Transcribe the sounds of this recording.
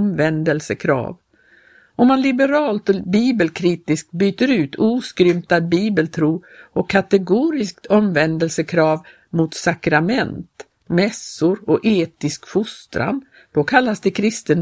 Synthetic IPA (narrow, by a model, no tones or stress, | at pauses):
mvɛnd̪əlsəkʰɾɑ̰ːv | ɔmːanlɪbəɾɑːlt̪ɔbiːbəlkʰɾiːt̪ɪsk̪̚byːt̪əɾʉ̟ːt̪ʰuːskɾʏmt̪ad̪̚biːbəlt̪ʰɾuː | ɔkʰːat̪ɛɡuːɾɪsk̚t̪ʰɔmvɛnd̪əlsəkʰɾɑːv | mʊt̪sakɾamɛnt̪ | mɛsʊɾɔʔeːt̪ɪskfʊst̪ɾʔa̰n | d̪̥ɔkʰalːasd̪ɛkʰɾɪst̪ən